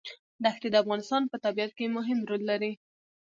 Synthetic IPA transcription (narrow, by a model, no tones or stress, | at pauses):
d̪əaxt̪ed̪əafɣɑnɪst̪ɑnpət̪abiat̪̚kemʊɦɪmɾolːaɾi